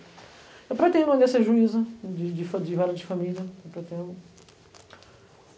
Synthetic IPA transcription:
ewpɾet̪ẽɐ̃d̪esɐʒuizɐd͡ʒɪd͡ʒɪfd͡ʒɪvaɾɐd͡ʒɪfɐ̃milʲjɐewpɾet̪ẽʊ

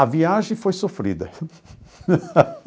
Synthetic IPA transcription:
ɐviaʒẽj̃fojsofɾḭd̪ɐ̰

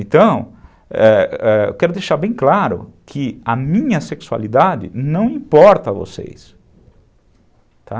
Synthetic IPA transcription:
ẽt̪ɐ̃w̃ | ɛɛ̰kɛɾʊd̪ejʃaɾbẽj̃klaɾʊ̰kʰɪɐmĩɲɐseksua̰lid̪ad͡ʒɪ̰nɐ̃w̃ĩpɔɾt̪ɐvo̰sḛjs | t̪ʰa̰

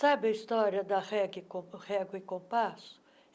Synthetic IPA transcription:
sabɪɐist̪ɔɾjɐd̪ɐʁɛɡɪkõʁɛɡwɐɪkõpasʊ̥

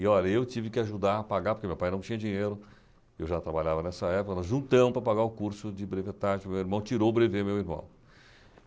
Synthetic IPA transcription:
ɪɔʎɐewt͡ʃivɪkɪaʒud̪aɾɐpaɡaɾpoɾkemewpajnɐ̃w̃t͡ʃĩɲɐd͡ʒĩɲejɾʊ | ewʒat̪ɾabaʎavɐnɛsɐɛpʊkɐnɔzʒũnt̪ɐ̃mʊpɾɐpaɡaɾʊkuɾsʊd͡ʒɪbɾevet̪aʒɪʊmewiɾmɐ̃w̃t͡ʃiɾowbɾevemewiɾmɐ̰̃w̃

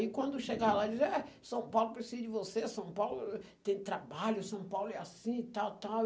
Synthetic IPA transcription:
ikwɐ̃nd̪ʊʃeɡalad͡ʒizɛsɐ̃w̃pawlʊpɾesizd͡ʒɪvosesɐ̃w̃pawlʊt̪ẽj̃t̪ɾabaʎʊsɐ̃w̃pawlʊɛasĩt̪awt̪aw

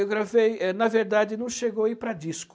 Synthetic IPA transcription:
ewɡɾavejɛnɐveɾd̪ad̪ɪnɐ̃w̃ʃeɡoipɾɐd̪isk

